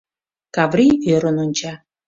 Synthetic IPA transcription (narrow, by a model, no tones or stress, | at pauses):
kɑvɾiøɾənonʲt͡ɕɑ